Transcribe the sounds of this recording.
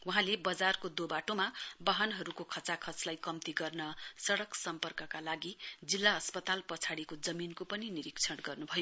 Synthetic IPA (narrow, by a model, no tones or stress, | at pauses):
wuɦãlebʌd͡zarkod̪obaʈomabʌɦʌnɦʌɾukokʰʌt͡sakʰʌt͡slajkʌmt̪iɡʌrnʌsʌɽʌksʌmpʌrkʌkalaɡid͡zilːaʌspʌt̪alpʌt͡sʰaɽikod͡zʌminkopʌniniɾikt͡sʰʌɽɡʌrnubʱʌjo